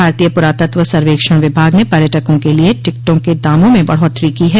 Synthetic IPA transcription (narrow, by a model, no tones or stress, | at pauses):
aːɾt̪iːjəpʊɾaːt̪ət̪ʋəsɐɾʋeːkʃə̃ʋɪbʱaːɡnepɐɾjəʈəkõkelieʈɪk̚ʈõked̪aːmõmẽbɐ̰ɽ̤ɦɔt̪ːɾikiɦɛ